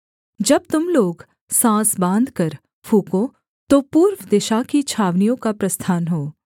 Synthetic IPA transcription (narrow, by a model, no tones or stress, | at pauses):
d͡ʒɐb̚t̪ʊmloːɡ | sãːsbãːnd̪kɐɾ | fʰuːkõ | t̪opuːɾwd̪ɪʃakit͡ʃʰaːʋnijõkapɾɐst̪ʰaːnɦoː